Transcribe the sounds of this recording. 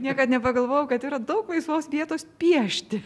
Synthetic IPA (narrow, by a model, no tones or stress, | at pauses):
nʲiɛkɐt̪nʲɛpɐɡɐlˠʋoːjɛʊkɐt̪iːɾɐd̪ɐʊklˠɐɪsʋoːsʋʲiɛt̪oːspʲiɛʃʲt̪ʲɪ